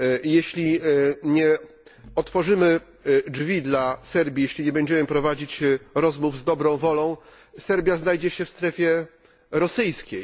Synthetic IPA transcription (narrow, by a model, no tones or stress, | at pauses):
jeɕlʲiɲɛ | ɔt̪fɔʐɘmɘ | d͡ʐvʲid̪lasɛɾbʲjijeɕlʲiɲɛbɛɲd͡ʑɛmɘpɾɔvad͡ʑit͡ɕɾɔzmuvzd̪ɔbɾɔ̃w̃vɔlɔ̃w̃ | sɛɾbʲjaznajd͡ʑɛɕɛfst̪ɾɛfʲjɛ | ɾɔsɘjskʲej